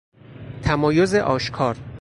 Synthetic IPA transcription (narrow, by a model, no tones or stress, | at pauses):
t̪ʰæmɒːjo̞ze̞ʔɒːʃkʰɒːɾ